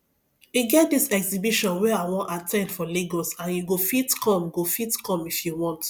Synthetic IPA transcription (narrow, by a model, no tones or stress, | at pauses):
iɡɛt̚disɛksibiʃɔ̃nwɛaɪwɔ̃natʰɛ̃ndfɔleɡɔsãnjuɡofitkʰɔ̃mɡofitkʰɔ̃mifjuwɔ̃nt